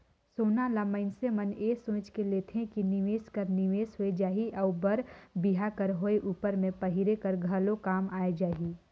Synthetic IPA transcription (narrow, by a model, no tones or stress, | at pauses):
soːnalaːməɪnseməneːsõːt͡ʃkeleːt̪ʰɦẽkiniʋeːskəɾniʋeːsɦoed͡ʒaːɦiʔɔːbɐɾbiɦakəɾɦoːeʔuːpəɾmẽpɐɦiɾekɐɾɡʱɐlõkaːmaːed͡ʒaːɦi